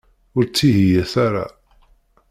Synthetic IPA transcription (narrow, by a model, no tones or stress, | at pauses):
ʊɾt͡sːiɦijæθaɾa̰